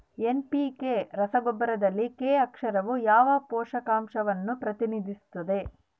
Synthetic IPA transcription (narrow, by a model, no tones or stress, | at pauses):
enpikeːɾɐsɐɡobːɐɾɐd̪ɐlːikeːɐkʂɐɾɐʋujaːʋɐpɔːʃɐkaːmʃɐʋɐnːupɾɐt̪inid̪ʱist̪ɐd̪e̞